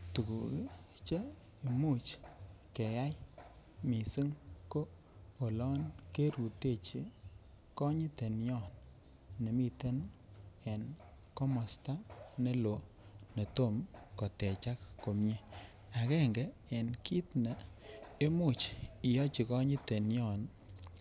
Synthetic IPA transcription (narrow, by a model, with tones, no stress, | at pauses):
tu˨kṵ˨ki˦t͡ʃe˦ | e˨mu˦t͡ʃke˨ja˦j | mi˨si˦ŋkoː˦˨ | lɔ˦nke˦ɾu˨te˦˨t͡ʃi˦ | kɔ˦ɲi˦te˨njɔ˦˨n | ne˨mi˦te˦n | e˨n | kɔ˦mɔ˨sta˦ne˦lo˨ | ne˨to˦˨mkɔ˨tɛ˨t͡ʃa˦kːo˨mɲe˦a˨kɛ˦ŋɡe˨e˨nki˦tne˨e˦mu˦˨t͡ʃi˨jɔ˦t͡ʃi˨kɔ˦ɲi˦te˨njɔ˦˨n